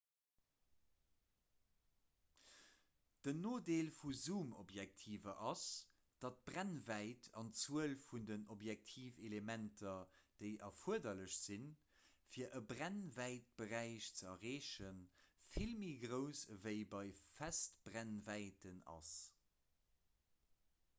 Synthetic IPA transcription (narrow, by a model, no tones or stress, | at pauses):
d̥ənoːdeːlfuzuːmobjæk̚tʰiːvɐʔɑs | d̥ɑt̚b̥ʁænvæɪtʰɑ̰nt͡suəlfundənobjæk̚tʰiːfelemæntʰɐd̥əɪʔɐfuəɐdɐləɕz̥in | fiːɐʔəbʁænvæɪt̚b̥əʁæɪʃt͡səɐʁeːʃənfilmiɡʁəʊsəvəɪbɑɪfæstb̥ʁænvæɪtənɑ̰s